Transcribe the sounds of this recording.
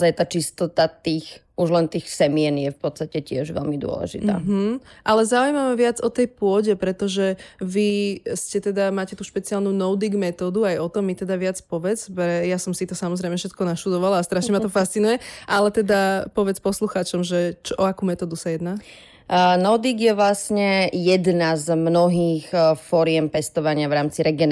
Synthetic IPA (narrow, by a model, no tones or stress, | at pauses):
zajt̪aːt͡ʃist̪ɔt̪at̪iːxʔuʒlɛnt̪iːxsɛmiɛnjɛfpɔt̪st̪acɛcɪɛʒʋɛ̰lmid̪ʊɔ̰lɛ̰ʒḭt̪a̰ːɦ̩ʔalɛzaujmaʋaʋɪad͡zɔt̪ɛjpʊɔɟɛpɾɛt̪ɔʒɛʋiscɛt̪ɛd̪amaːcɛt̪uːʃpɛt͡sialnunɔʊd̪iɡmɛt̪ɔːd̪uajɔt̪ɔmːit̪ɛd̪aʋɪat͡spɔʋɛt͡spɾɛjasɔmsit̪ɔsamɔzɾɛjmɛfʃɛt̪kɔnaʃt̪ud̪ɔʋalaːst̪ɾaʃɲɛmat̪ɔfast͡sinujɛʔalɛt̪ɛd̪apɔʋɛt͡spɔsluxaːt͡ʃɔmʒɛt͡ʃɔʔɔakuːmɛt̪ɔːd̪usajɛd̪naː | nɔʊd̪iɡjɛʋlasɲɛjɛd̪nazmnɔɦiːxfɔɾɪɛmpɛst̪ɔʋaɲɪaʋɾaːmt͡siɾɛɡɛn